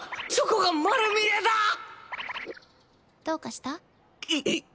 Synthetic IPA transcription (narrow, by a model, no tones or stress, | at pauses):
t͡ɕokoɡamaɾɯmiɾed̪a | d̪̥oːkaɕi̥t̪a | i